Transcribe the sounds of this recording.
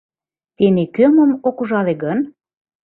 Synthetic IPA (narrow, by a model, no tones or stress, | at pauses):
t̪enekømə̆mokuʒɑleɡən